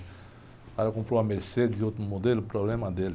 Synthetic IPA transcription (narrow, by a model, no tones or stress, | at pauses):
aɾakũpɾoamɛlsed̪ĩot̪mod̪ɛlpɾɔblɛmãd̪ɛl